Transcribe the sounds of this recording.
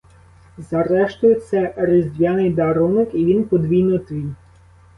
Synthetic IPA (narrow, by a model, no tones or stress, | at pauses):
zɐɾɛʃt̪ʊjet̪sɛɾɪzʲd̪ʲʋʲjanɪjd̪ɐɾɔnɪkiʋʲinpɔd̪ʋʲijnʊjɛt̪ʋʲijʲ